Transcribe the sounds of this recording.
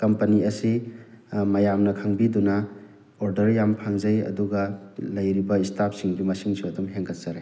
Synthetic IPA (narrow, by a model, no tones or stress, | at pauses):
kɐmpɐniɐsi | mɐjamnɐkʰaŋbidunɐ | oɾdɐɾjampʰaŋzɐjɐ̰duɡɐlɐjɾibɐistap̚ʰsiŋɡimɐsiŋsuɐdumɦeŋkɐt̚sɐɾe